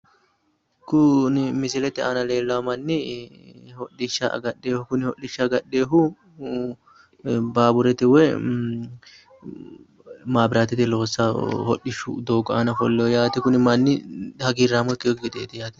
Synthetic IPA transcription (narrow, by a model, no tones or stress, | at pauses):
kʊnɪmɪsɪlɛt̪ːɛɐnɐle̞ːlːɐwɐmɐnːɪ | hɔɗːɪʃːa̰ɡɐɗːe̞ːhʊkʊnɪhɔɗːɪʃːɐɡɐɗːe̞ːɦʊ | baːbʊɾɛt̪ɪwɛ | maːbɪɾaːt̪ɪt̪ɪlo̞ːsːɐhɔ̰ɗːɪʃːʊ̰d̪oːɡɔɐnɐfɔlːɛjɔjaːt̪ɪkʊnɪmɐnːɪhɐɡiːrːaːmɔk̪ːɪjɔɡɪd̪eːt̪ɪjaːt̪ɪ